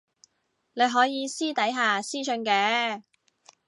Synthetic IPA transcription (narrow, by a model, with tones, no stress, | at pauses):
ne˨˧jɦɔː˨˥jiː˨˧siː˥t̪ɐ˨˥jɦaː˨siː˥sɵ˧nkɛː˨˧˥